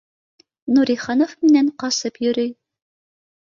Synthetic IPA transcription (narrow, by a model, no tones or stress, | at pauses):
nuɾiχɑnofmɘ̆næɴqɑsɤpjɵ̆ɾɵj